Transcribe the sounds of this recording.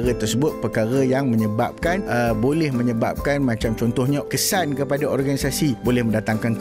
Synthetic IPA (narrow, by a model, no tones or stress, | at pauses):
ɾət̪ərsəbʊt̪̚pərkaɾajaŋmə̃ɲəba̰p̚kanəbolɛhmə̃ɲəba̰p̚kanmãt͡ʃamt͡ʃɔnt̪ɔhɲãkəsankəpadaʔɔrɡanisasibolɛhməndat̪aŋkank